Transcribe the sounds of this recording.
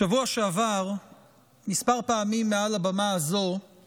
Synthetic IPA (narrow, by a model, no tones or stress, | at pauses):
ʃavuaʃeavaʁ | mispaʁpaːmimːealabamaazo̞